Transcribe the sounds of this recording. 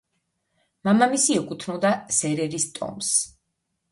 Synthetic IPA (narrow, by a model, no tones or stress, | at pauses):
mamamisiɛkʼut̪ʰnɔd̪asɛɾɛɾist̪ʼɔ̰ms